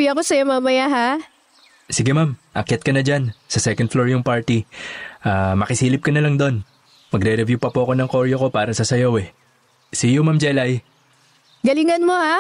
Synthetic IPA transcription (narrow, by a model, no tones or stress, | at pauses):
iɐkosɐjomamɐjaɦa | sɪɡɛmamʔɐ̰kjat̪̚kɐnɐd͡ʒansɐsɛkɐnd̪floɹjʊŋpaɹt̪iʔaːmɐkɪsiːlɪp̚kɐnɐlɐŋd̪o̞n | mɐɡɾɛɾɛvjupɐpoʔɐko̞nɐŋko̞ɾjoko̞paːɾɐsɐsɐjowɛ | sɪjomamd͡ʒɛlaj | ɡɐlɪŋɐnmoha